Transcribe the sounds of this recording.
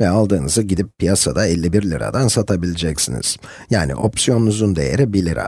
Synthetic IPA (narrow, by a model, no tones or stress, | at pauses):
vɛalˠd̪ɯːnɯzɯɟid̪ip̚ːʰijasad̪aɛlʲːibiɾlʲiɾa̰d̪ansat̪ʰabilʲid͡ʒɛcsinḭz̥ | jaːnḭʔo̞̰psijo̞nunuzund̪e̞̰jeɾibilʲiɾḭ